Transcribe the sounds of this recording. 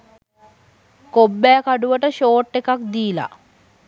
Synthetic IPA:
kobːɛːkaɖuʋəʈəʃoːʈːekak̚d̪iːla̰

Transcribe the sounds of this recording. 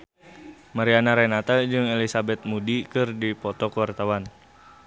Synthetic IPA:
maɾianaɾɛnat̪ad͡ʒɨŋelisabɛt̪̚mudikɨrdipɔt̪ɔkəwart̪awan

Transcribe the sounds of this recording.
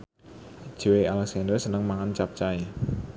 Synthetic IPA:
ʒ̥e̤wealɛk̚sandərsənəŋmaŋant͡ʃap̚t͡ʃae

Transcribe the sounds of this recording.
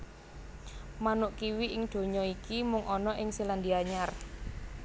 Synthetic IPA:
manʊʔkiwiʔɪŋɖ̪̥o̤ɲɔikimʊŋʔɔnɔʔɪŋsiland̪iaɲar

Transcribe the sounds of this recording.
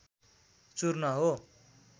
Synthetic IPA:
t͡surnʌɦo

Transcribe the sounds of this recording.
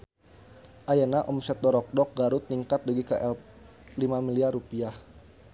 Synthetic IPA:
ʔajanaʔɔmsɛt̪̚dɔɾɔk̚dɔk̚ɡaɾʊt̪̚niŋkat̪̚duɡikaʔɛl | limamiliarupiah

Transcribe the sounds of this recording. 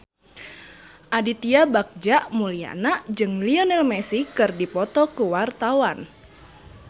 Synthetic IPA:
ʔadit̪iabak̚d͡ʒaʔmulia̰nad͡ʒɨŋliɔnɛlmɛsikɨrdipɔt̪ɔkuwart̪awan

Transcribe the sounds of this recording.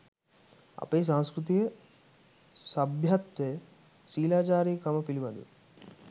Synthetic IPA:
ɐ̰peːs̬ãŋ̃skɾut̪̬ijɐ | sɐbʱjɐt̪ʋe | siːlaːt͡ʃaːɾijkɐmɐpiliʋɐd̪ṵ

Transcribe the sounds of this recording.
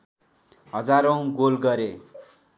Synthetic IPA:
ɦʌd͡zaɾʌw̃ɡolɡʌɾe

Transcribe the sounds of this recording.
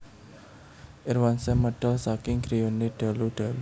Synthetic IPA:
ʔɪrwansɛməɖ̥əlsakɪŋɡɾijoneɖ̥a̤luɖ̥a̤lu

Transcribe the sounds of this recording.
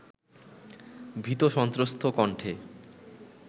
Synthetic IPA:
bʱit̪oʃɔnt̪ɾost̪ʰokɔɳʈʰe

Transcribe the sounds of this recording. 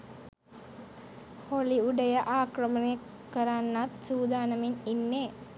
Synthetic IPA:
holiuɖɐjɐʔaːkɾɐmɐne | kːɐɾaːnːat̪̚suːd̪aːnɐmininːe

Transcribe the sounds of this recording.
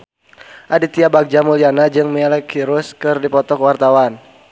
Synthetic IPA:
ʔadit̪iabaɡ̚d͡ʒamulianad͡ʒɨŋməɛlɛkʰiɾʊskɨrdipɔt̪ɔkəwart̪awan

